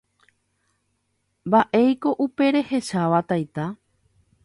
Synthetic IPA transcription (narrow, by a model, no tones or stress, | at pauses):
baʔe̞jko̞ʔupe̞ɾe̞he̞ʃaʋat̪ajt̪a